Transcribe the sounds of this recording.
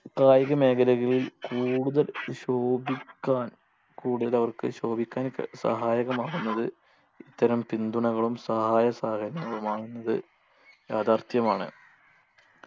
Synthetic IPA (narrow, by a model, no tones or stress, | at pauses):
kaːjɐɣɐme̞ːɡɐlɐɣillkuːɽuðɐlɕoːbikʲːaːn | kuːɽuðlɐʋɐrkɨ̰ɕo̞ːbikʲːaːnkːɐ̰sɐ̰ɦaːjɐɣɐmaːɣunːɐðɨ | it̪ːɐɾɐmpind̪uɳɐɣɐɭumsɐɦaːjɐsaːɡɐɾɐŋːɐɭumaːɣunːɐðɨ̰ | jaːd̪aːrt̪jɐmaːɳɨ̰